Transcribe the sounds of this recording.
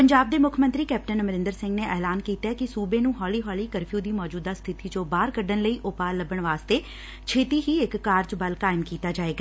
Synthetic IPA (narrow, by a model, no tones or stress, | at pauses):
pəɲd͡ʒaːb̚d̪eːmʊkʰmənt̪ɾiːkɛːp̚ʈənməɾɪ̃nd̪əɾsɪ̃ŋɡneːʔɛːlaːnkiːt̪aːkɪsuːbeːnũːɦɔːliːɦɔːliːkəɾpʰjuːd̪iːmɔːd͡ʒuːd̪aːst̪ʰɪt̪iːd͡ʒõːbaːɾkəɖənləiːʔʊpaːləbəɳʋaːst̪eː | t͡ʃʰeːt̪iːɦiːɪkːaːɾd͡ʒbəlkaːɪmkiːt̪aːd͡ʒaːeːɡaː